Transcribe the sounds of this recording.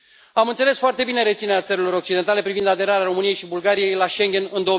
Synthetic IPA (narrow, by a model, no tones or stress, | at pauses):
amɨnt̪se̞le̞sfoart̪e̞bine̞ɾe̞t̪sineɾat̪səɾilo̞ɾo̞k̚t͡ʃid̪e̞nt̪ale̞pɾivind̪ad̪e̞ɾaɾeaɾo̞mɨnije̞jʃibulɡaɾijejlaʃe̞ŋɡʲe̞nɨnd̪o